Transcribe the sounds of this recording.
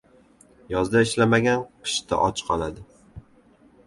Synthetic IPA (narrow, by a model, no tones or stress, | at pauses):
jɒzd̪aɪʃlamaɡʲanqʰɨ̥ʃt̪ʰa̰ʔɒt͡ʃʰqʰɒlˠad̪ɪ